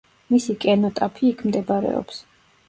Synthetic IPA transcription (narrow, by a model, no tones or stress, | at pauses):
misikʼɛnɔt̪ʼapʰiːkʰmd̪ɛbaɾɛ̰ɔ̰ps